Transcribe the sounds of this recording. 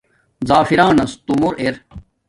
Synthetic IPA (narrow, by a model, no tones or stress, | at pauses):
zaːfiɾaːnɐst̪umuɾʔeɾ